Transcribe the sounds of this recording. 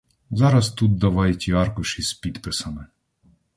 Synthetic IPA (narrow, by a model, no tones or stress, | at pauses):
zɑɾɐst̪ud̪̚d̪ɐʋɑjtʲiɑrkʊʃispʲid̪pɪsɐmɪ